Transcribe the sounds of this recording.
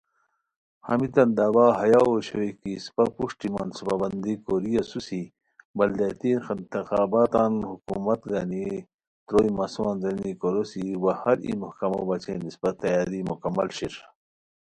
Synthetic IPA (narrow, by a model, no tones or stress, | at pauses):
hɐ̰mit̪ɐnd̪abaɦɐjaoɕoikispɐpuʂʈimansupabɐnd̪ikoɾijɐsusi | bɐld̪et̪inxɐnt̪ixaːbaːt̪aːnhukumɐt̪ɡɐni | t̪ɾoːjmɐsuanzɐnikoɾosiwɐhɐɾḭmuhkɐmo̰bɐt͡ɕʰḛnisbɐt̪ːɐjaːd̪imukɐmːɐ̰lɕiɾ